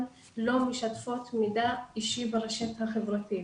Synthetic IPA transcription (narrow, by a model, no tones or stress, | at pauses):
lo̞meʃatfo̞t̪midaiʃibeʁeʃethaχevʁati